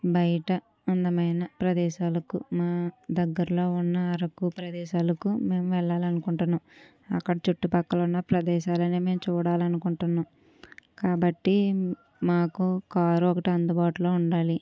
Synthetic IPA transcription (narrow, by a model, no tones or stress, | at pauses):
bɐjɐʈɐ | ɐnd̪ɐmɐjnɐpɾɐd̪ɛːʃaːlɐkumaːd̪ɐɡːɐɾɐlo̞ːunːɐːɾɐkupɾɐd̪ɛːʃaːlɐkume̞ːmʋɛɭːaːlɐnukuɳʈunːam | ɐ̰kːɐɽɐt͡ʃuʈːupɐkːɐlunːɐpɾɐd̪ɛːʃaːlɐneːme̞ːmt͡ʃuːɽaːlɐnukuɳʈunːam | kaːbɐʈːi | maːkukaːɾuɔkɐʈiɐnd̪ubaːʈulo̞ːuɳɖaːli